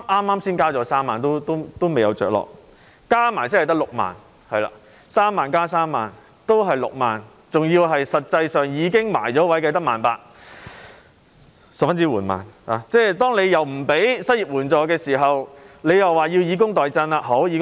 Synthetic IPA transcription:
ʔaː˥mːaː˥msiː˥nkaː˥t͡sɔː˨˧˥saː˥mːaː˨˩nt̪o˥wt̪o˥wt̪o˥wme˨jɐ˨˧wt͡ʃœː˨k̚lɔ̰ː˨k̚ | kaː˥maː˨˩jsɪː˥nɐ˨jt̪ɐ˥k̚lʊ˨k̚ma̰ː˨n | hɐ˨jla̰ː˨˧ | saː˥mːaː˨˩nkaː˥s̬aː˥mːaː˨˩n | t̪o˥wɦɐ˨jlʊ̰˨k̚maː˨˩n | t͡sʊ˨ŋjiː˧wɦɐ˨jsɐ˨t̚t͡sɐ˧jsœː˨ŋjiː˨˧kɪ˥ŋma̰ː˨˩jt͡sɔː˨˥wɐ˨˥jkɐ˧jt̪ɐ˥k̚maː˨˩npaː˧˥k̚ | sɐ˨p̚fɐ˥nt͡siː˥wuː˨˩nma̰ː˨na˨˧t͡sɛː˥˩t̪ɔː˥ŋne˨˧jɐ˨wm̩˨˩pe˨˥jsɐ˥t̚jiː˨˩p̚wuː˨˩nt͡sɔː˨˧kɛː˧siː˨˩ɦɐ˨wle˨˧jɐ˨wːaː˨˩jiː˧wjiː˨˧k̬ʊ˥ŋt̪ɔː˨jt͡sɐ˧na˧ɦo˨˥wji˨˧k

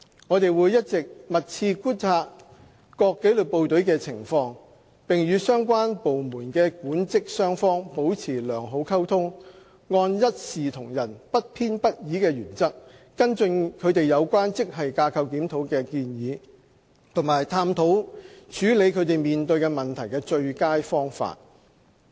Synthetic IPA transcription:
ŋɔː˨˧t̪e˨jwuː˨˧jɐ˥t̚t͡sɪ˨k̚mɐ˨t̚t͡sʰiː˧kuː˥nt͡sʰaː˧t̚ | kɔː˧kːe˨˥jly˨˩po˨wt̪ɵ˨˥ɥkɛː˧t͡sʰɪ˨˩ŋfɔː˧ŋ | pɪ˨ŋjyː˨˧sœː˥ŋkʷwaː˥npo˨wmuː˨˩nkɛː˧kuː˨˥nt͡sɪ˥k̚sœː˥ŋfɔː˥ŋpo˨˥wt͡sʰiː˨˩lœː˨˩ŋɦo˨˧˥wkʰɐ˥wt̪ʰʊ˥ŋ | ŋɔː˧njɐ˥t̚siː˨t̪ʰʊ˨˩ŋjɐ˨˩npɐ˥t̚pʰiː˥npɐ˥t̚jiː˨˥kɛː˧jyː˨˩nt͡sɐ˥k̚ː | ɐ˥nt͡sɵ˧nkʰɵ˨˧ɥt̪e˨jɐ˨˧wkʷaː˥nt͡sɪ˥k̚ɦɐ˨jkaː˧kʰɐ˧wkiː˨˥mt̪ʰo˨˥wkɛː˧kiː˧njiː˨˧ | t̪ʰʊ˨˩maː˨˩jt̪ʰaː˧˥mt̪ʰo˨˥wt͡ʃʰyː˨˥le˨˧jkʰɵ˧ɥt̪e˨jmiː˨nt̪ɵ˧ɥkɛː˧mɐ˨˩nt̪ʰɐ˨˩jkɛː˧t͡ʃɵ˧ɥkaː˥jfɔː˥ŋfa̰ː˧t̚

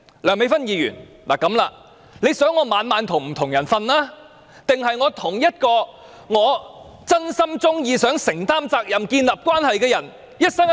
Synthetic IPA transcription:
lœː˨˩ŋme˨˥jfɐ˥njiː˨˧jy̰ː˨˩n | laː˨˩kɐ˨˧˥mlaː˧ | le˨˧jsœː˨˥ŋːɔː˨˧maː˨˧nmaː˨˧nt̪ʰʊ˨˩ŋm̩˨˩t̪ʰʊ˨˩ŋjɐ˨˩nfɐ˧nlaː˥ | t̪ɪ˨ŋɦɐ˨jŋɔː˨˧t̪ʰʊ˨˩ŋjɐ˥t̚kɔː˧ | ŋɔː˨˧ | t͡sɐ˥nsɐ˥mt͡sʊ˥ŋjiː˧sœː˨˥ŋsɪ˨˩ŋt̪aː˥mt͡saː˧k̚jɐ˨mkiː˧nlɐ˨p̚kʷaː˥nhɐ˨jkɛː˧jɐ˨˩n | jɐ˥t̚sɐ˥ŋ

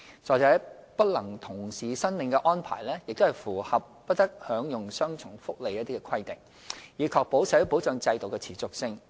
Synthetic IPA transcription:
t͡sɔː˨˩t͡sɛː˨˥pɐ˥t̚lɐ˨˩ŋt̪ʰʊ˨˩ŋsiː˨sɐ˥nlɪ˨ŋkɛ˧ʔɔː˥npʰa̰ː˨˩jlɛː˥jɪ˨k̚t̪o˥hɐ˨jfuː˨˩hɐ˨p̚ːɐ˥t̚t̪ɐ˥k̚hœː˨˥ŋjʊ˨ŋsœː˥ŋt͡sʰʊ˨˩ŋfʊ˥k̚le˨jɐ˥t̪̚iː˥kɛ˧kʰɐ˥jt̪ɪ˨˩ŋ | jiː˨˧kʰɔː˧k̚po˨˥wsɐ˨˥po˨˥t͡sœː˧ŋt͡sɐ˧jt̪o˨wkɛ˧t͡sʰiː˨˩t͡sʊ˨k̚sɪ˥ŋ

